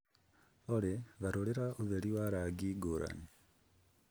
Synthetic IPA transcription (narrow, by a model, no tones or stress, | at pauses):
oleβaɾoleɾaʔuβeliwaɾaɡiɡoɾʔa̰ni